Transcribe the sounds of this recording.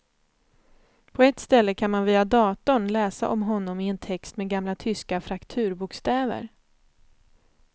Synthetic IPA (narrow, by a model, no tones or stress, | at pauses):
pʰɔɛt̪st̪ɛlːəkʰanmanviːad̪ɑːt̪ʊɳlɛːsaʔɔmɦɔnːɔmɪɛnt̪ʰɛkst̪meːɡamlat̪ʰʏskafɾakt̪ʰʉ̟ːɾbʊkst̪ɛːvə̰ɾ